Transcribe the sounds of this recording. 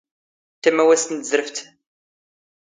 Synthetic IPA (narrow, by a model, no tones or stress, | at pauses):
t̪ːæmæwæst̪ənt̪zɾəft̪